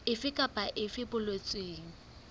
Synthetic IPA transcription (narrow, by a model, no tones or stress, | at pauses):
ɪfɪkʼapʼaʔɪfɪbʊlwet͡sʼweːŋ̩